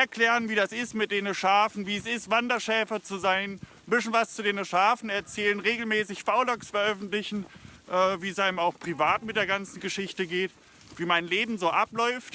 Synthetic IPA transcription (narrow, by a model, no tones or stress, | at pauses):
ʔɛɐkl̥ɛːʁənviːdasɪstmɪt̚d̥eːnəʃaɐfn̩viːɛsɪstv̥andɐʃɛːfɐt͡suzaɪn | bɪsnvast͡sudeːnəʃaːfn̩ɛɐt͡sɛːlənʁeːɡl̩mɛːsɪçfaʊlɔksfɛɐʔœfn̩tlɪçn̩ʔɛːviːɛsʔaɪnəmaʊxpʁ̥ivaːtmɪt̚d̥eːɐɡant͡sn̩ɡəʃɪçtəɡeːt | v̥iːmaɪnleːbm̩zoːʔaplɔʏft